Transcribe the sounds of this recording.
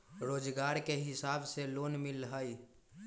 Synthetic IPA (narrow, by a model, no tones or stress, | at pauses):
ɾod͡ʒɡaɾkeɦɪsabselonmilɦəj